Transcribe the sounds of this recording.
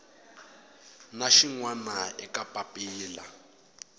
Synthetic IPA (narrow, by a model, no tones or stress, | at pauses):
naʃiŋwanaɛkʼapʼapʼiːla